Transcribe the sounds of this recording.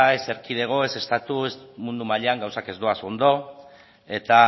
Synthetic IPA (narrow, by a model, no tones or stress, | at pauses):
e̞se̞ɾkiðe̞ɣ̞o̞e̞se̞st̪at̪uesmund̪umaʎeaŋɡawsake̞zd̪oaso̞nd̪o̞ | e̞t̪a